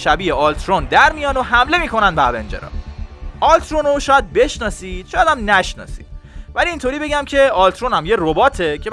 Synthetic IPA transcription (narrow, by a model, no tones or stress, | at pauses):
ʃæbiːeʔɒːlt̪ʰɾond̪æɾmijɒːnoɦæmle̞miːko̞nænd̪bæɾbḛnd͡ʒḛɾɒ̰ːʔɒlt̪ʰɾonoʃɒːjæd̪̚be̞ʃnɒːsiːd̪̥ʃɔjæːd̪æmnæʃnɒ̰ːsḭːd̪̚væliːnt̪ʰoɾiːbe̞ɟæmcʰe̞ɒːlt̪ʰɾonæmje̞robɒːt̪ʰe̞cʰe̞b